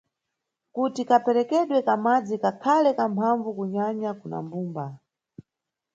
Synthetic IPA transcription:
kutikapɛɾɛkɛɗwɛkamad͡zikakʰalɛkampʰaɱvukuɲaɲakuna̰mbuːmba

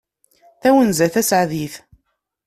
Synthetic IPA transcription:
θæwənzæθæsʕðiθ

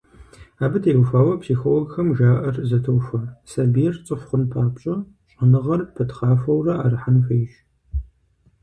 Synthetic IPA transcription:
aːbɨtʰeːwfaːwɐpsixolɔɡxɐmʒaːʔɐrzɐtʰɐwfɐsɐbijɛrt͡sʼɨfχʷʊnpʰaːpɕʼɐ | ɕʼɐnɨʁɐrpʰɐtχaːfɐwrɐaːrɨħanħʷɐjʒ

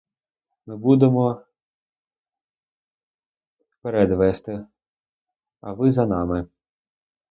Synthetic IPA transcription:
mɪbud̪emɔ | peɾɛd̪ʋɛst̪ɪ | ɐʋɪzɐnɑmɪ

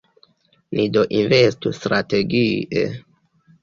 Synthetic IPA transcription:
mʔidoʔinvestustɾate̞ɡiḛ

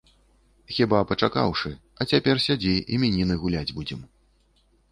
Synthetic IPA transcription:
xʲibapɐt͡ʂaka̰wʂɨ | ɐt͡sʲapʲɛrsʲad͡zʲiimʲinʲinɨɣulʲad͡zʲbud͡zʲɛm

